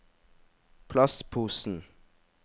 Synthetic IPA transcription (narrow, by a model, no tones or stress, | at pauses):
pʰlɑst̪pʰuːsn̩